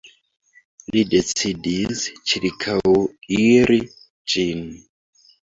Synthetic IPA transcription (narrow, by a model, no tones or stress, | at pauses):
lidet͡sidist͡ʃiɾikʰawiɾi | d͡ʒin